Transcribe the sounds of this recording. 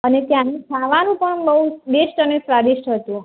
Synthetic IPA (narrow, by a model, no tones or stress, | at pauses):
ənet̪janĩsʰaʋanũpəɳbəubesʈənesɾaɖisʈɦət̪ũ